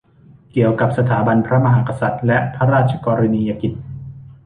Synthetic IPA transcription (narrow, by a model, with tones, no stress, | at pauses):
ki˨˩əwka˨˩p̚sa˧t̪ʰaː˩˦ba˧npʰɾa˦˥ma˧ɦaː˩˦ka˧sa˨˩t̪̚lɛ˦˥ʔpʰa˦˥ɾaː˥˩t̪̚t͡ɕʰḁ˧kɔː˧ɾa˧niː˧jaː˧ki˨˩t̪̚